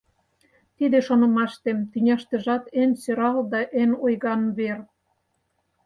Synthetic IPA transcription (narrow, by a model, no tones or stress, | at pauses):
t̪id̪eʃonɤ̆mɑʃt̪emt̪ynʲɑʃt̪ə̆ʒɑt̪ensøɾɑld̪ɑʔenojɣɑnβer